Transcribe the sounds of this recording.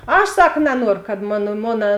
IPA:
ˈɐʃ ˈsɐk nɐˈnuɔrʊ kɐt ˈmoːnɐ ˈmoːnɐ

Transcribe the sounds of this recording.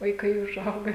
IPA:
ʋɐɪˈkɐɪ ʊʒˈɐʊɡɐ

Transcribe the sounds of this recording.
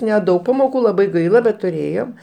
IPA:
nʲɛˈdɐʊk pɐmoːˈkuː lˠɐˈbɐɪ ˈɡɐɪlˠɐ bʲɛt tʊˈrʲeːjoːm

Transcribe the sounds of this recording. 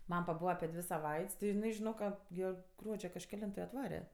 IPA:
ˈmɐm pɐˈbuːʋɐ ɐpʲɪ ˈdʲʋʲɪ sɐˈʋɐɪtʲsʲ tʲɪ jɪˈnɐɪ ʒʲɪˈnoːk ˈkɐ ˈɡʲiɛ ˈɡruɔd͡ʒʲoː kɐʃʲkʲɛˈlʲɪntoː ɪ ɐtˈʋɑːrʲɛ

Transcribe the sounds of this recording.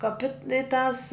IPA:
kɐˈpʲɪt ɪ tɐs

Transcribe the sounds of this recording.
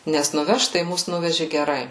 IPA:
ˈnʲɛs nʊˈʋʲɛʃt tɐɪ ˈmʊs ˈnʊʋʲɛʒʲɪ ɡʲɛˈrɐɪ

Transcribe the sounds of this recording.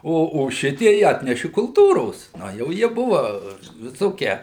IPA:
ˈoː oː ˈʃʲɪtʲiɛj ˈɑːtʲnʲɛʃʲɪ kʊlˠˈtuːroːs ˈnɐ jɛʊ ˈjiɛ bʊʋɐ ʋʲɪˈsoːkʲiɛ

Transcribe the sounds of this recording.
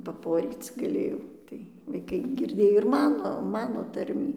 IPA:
pɐˈpoːrʲiːt͡s ɡɐˈlʲeːjɛʊ ˈtɐɪ ʋɐɪˈkɐɪ ˈɡʲɪrʲdʲeːj ɪr ˈmɑːnoː ˈmɑːnoː ˈtɐrʲmʲiː

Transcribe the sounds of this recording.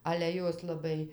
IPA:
ɐlʲɛ ˈjoːs lˠɐˈbɐɪ

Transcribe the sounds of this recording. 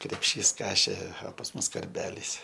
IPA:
krʲɛpʲˈʃʲiːs ˈkɑːʃʲeː oː pɐs ˈmʊs kɐrʲˈbʲæːlʲiːs

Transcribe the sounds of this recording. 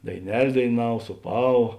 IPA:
dɐɪˈnʲɛlʲ dɐɪˈnɐw suːˈpɑːʋɐ

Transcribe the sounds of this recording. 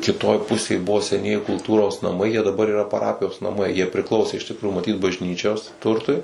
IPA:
kʲɪˈtoːj ˈpʊsʲeːj ˈbʊʋoː sʲɛˈnʲiɛjɪ kʊlˠˈtuːroːs nɐˈmɐɪ jiɛ dɐˈbɐr iːˈrɐ pɐˈrɑːpʲɪjoːs nɐˈmɐɪ jiɛ pʲrʲɪˈklˠɐʊsʲeː ɪʃ tʲɪkˈruːjʊ mɐˈtʲiːt bɐʒʲˈnʲiːt͡ʃʲoːs ˈtʊrtʊɪ

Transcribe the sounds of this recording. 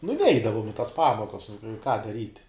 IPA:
nʊ ˈnʲɛɪdɐʋʊm ɪ tɐs ˈpɑːmoːkɐs kɑː dɐˈrʲiːtʲ

